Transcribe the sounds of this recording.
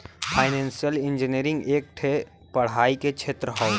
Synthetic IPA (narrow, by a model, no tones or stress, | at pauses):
pʰaːɪnɛ̃ːnsijəlɪ̃nd͡ʒɪniɾɪ̃ŋɡeːk̚ʈʰe | pɐɽ̤aːiket͡ʃʰeːt̪ɾəɦɔː